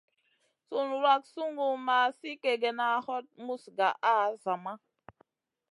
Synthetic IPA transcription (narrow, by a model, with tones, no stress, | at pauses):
su˦nu˨ɾa˦ksu˦ŋɡu˨ma˨si˦ke˨ɡe˨na˨hɔ˦t̚mu˦sɡa˨ʔa˦˨za˨ma˦